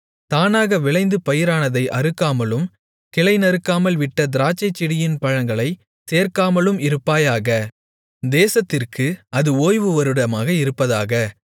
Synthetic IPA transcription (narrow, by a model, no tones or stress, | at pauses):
t̪aːnaːɣɐʋɪɭɐɪnd̪ɯpɐjɪɾaːnɐðɐɪʔɐɾɯkːaːmɐlɯm | kɪlɐɪnɐɾɯkːaːmɐlʋɪʈːɐd̪ɪɾaːt͡ʃːɐɪt͡ʃːɪɽɪjɪnpɐɻɐŋɡɐɭɐɪ | seːɾkaːmɐlɯmɪɾɯpːaːjaːɣɐ | d̪eːsɐt̪ːɪrkʰɯɐðɯoːjʋɯʋɐɾɯɽɐmaːɣɐɪɾɯpːɐðaːɣɐ